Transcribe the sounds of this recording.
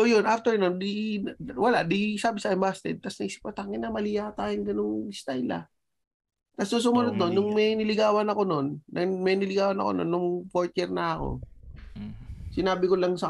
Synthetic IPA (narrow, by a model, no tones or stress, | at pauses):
sojonʔaft̪ɛɹnond̪iwɐlaʔd̪isaːbɪsɐʔɛmbast̪ɛ̰d̪̚t̪ɐsnɐʔiːsɪ̥p̚kɐt̪aŋɪnɐmɐlijat̪aːjɪnɡɐnoŋst̪ajla̰ | t̪ɐsnʊŋs̬ʊmʊnod̪̚no̞nːʊŋmɛnɪlɪɡaːwɐnɐko̞no̞nːɐmɛnɪlɪɡaːwɐnɐ̰ko̞̰no̰nːʊŋpoɹt̪ɛɾnɐɐko̰ | sɪnaːbɪkolɐŋsɐ